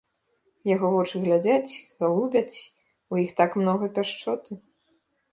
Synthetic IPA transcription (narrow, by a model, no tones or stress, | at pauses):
jaɣɔvɔt͡ʂɨɣlʲad͡zʲat͡sʲɣalˠubʲɐt͡sʲ | ujixt̪akmnɔɣɐpʲaʂt͡ʂɔt̪ɨ